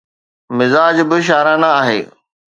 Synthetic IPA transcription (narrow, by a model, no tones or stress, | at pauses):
mɪzaːd͡ʑbɪʃ̬aːɾãnaaːɦḛː